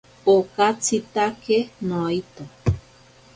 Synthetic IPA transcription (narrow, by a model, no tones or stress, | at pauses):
okat͡sit̪akenoit̪o